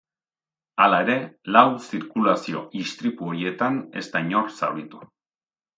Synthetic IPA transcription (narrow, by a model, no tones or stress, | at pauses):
alae̞ɾe̞lawsiɾkulasio̞̰ist̪ɾit̪uoɾie̞t̪ane̞̰st̪aɲo̞rsa̰wɾit̪u̥